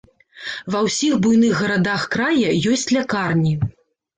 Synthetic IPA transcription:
vɐwsʲixbujnɨɣɣɐɾad̪axkɾajɐjɔsʲt͡sʲlʲakarnʲi

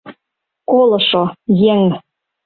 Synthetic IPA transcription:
kolˠɤ̆ʃojeŋ

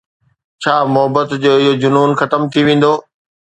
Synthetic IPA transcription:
t͡ɕʰaːmʊɦəbət̪d͡ʑoːɪɦod͡ʑʊnuːnxɐt̪əmt̪ʰiʋẽːn̆d̪oː

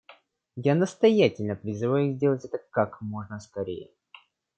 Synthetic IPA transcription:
janəst̪ɐjatʲɪlʲnəpɾʲɪzɨvajʊzʲdʲe̞lˠətʲɛt̪əkakmo̞ʐnəskɐɾʲḛjə

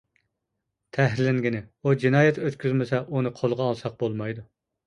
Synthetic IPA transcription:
t̪ʰɛɦɾlɪŋɡʲinɪud͡ʒinɑːjɛt̪øt̪kʲyzmɪsɛʔunɨqʰolˠʁɑːlˠsɑq̚bolˠmɑjd̪u

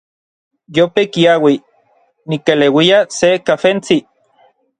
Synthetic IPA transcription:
jopekiawi | nikelewiasekafent͡si

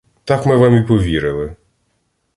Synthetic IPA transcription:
t̪akmɪʋamʲipɔʋʲiɾɪlˠɪ

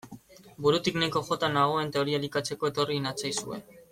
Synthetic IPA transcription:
buɾut̪iknajko̞xo̞t̪anaɣ̞o̞e̞nt̪e̞o̞ɾialikat͡se̞ko̞e̞t̪o̞rinat͡sajsue̞̰

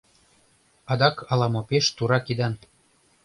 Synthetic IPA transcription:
ɑd̪ɑkɑlɑmopeʃt̪uɾɑkid̪ɑn

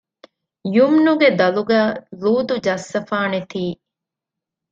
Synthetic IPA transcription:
jumnuɡed̪ɐluɡæːluːd̪ud͡ʒɐsːɐfaːnet̪iː

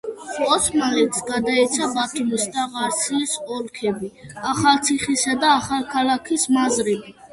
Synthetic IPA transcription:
qʼɔsʰmalɛt̪sɡad̪ait̪sʰabat̪ʰumisd̪aʁaɾt̪sʰisɔlkʰɛbiaχalˠt̪sʰiχisad̪aːχalˠkʰalakʰismazɾɛbi

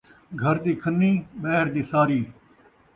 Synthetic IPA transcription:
ɡʱəɾd̪iːkʰənːiːɓɛɦɾd̪iːsaːɾiː

